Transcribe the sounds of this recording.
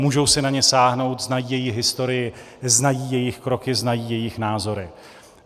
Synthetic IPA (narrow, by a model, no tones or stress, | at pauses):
muːʒowsɪnaɲɛsaːɦno̞wt̪znajiːjɛjɪxɦɪst̪o̞ɾɪjɪ | znajiːjɛjɪxkɾo̞kɪznajiːjɛjɪxnaːzo̞ɾɪ